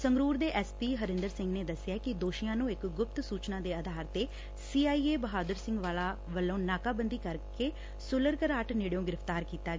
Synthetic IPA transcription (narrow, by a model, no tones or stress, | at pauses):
səŋɡɾuːɾd̪eːʔɛːspiːɦəɾɪnd̪əɾsɪ̃ŋɡneːd̪əsːɪjaːkɪd̪oːʃijãːnũːɪkɡʊp̚t̪suːt͡ʃnãːd̪eːad̪ʱaːɾt̪eː | siːaːiːeːbəɦaːd̪əɾsɪ̃ŋɡʋaːlaːʋəlːõːnaːkaːbənd̪iːkəɾkeː | sʊləɾkəɾaːʈnɪɽjõːɡɪɾəpʰt̪aːɾkiːt̪aː